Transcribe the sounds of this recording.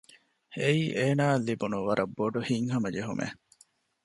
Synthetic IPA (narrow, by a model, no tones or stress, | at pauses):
eiʔeːnaːlːibunuʋɐɾʔɐbːoɖuhiŋɦɐmɐd͡ʒeɦumʔḛ